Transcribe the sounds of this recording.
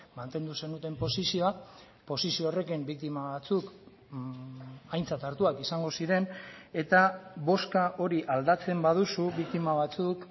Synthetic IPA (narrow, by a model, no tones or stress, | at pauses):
mant̪e̞nd̪use̞nut̪e̞mpo̞sisioa | po̞sisioːre̞kimbik̚t̪imaβat͡suk | ajnt͡sat̪aɾt̪uakisaŋɡo̞siɾe̞ne̞t̪aβo̞skaʔo̞ɾiʔald̪at͡se̞mbað̞usuβik̚t̪imaβat͡suk